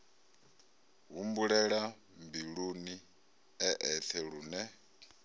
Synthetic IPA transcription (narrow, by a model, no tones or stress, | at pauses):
ɦumbuɺɛɺa | mbiɺuni | ɛʔɛt̪ʰɛɺuːnɛ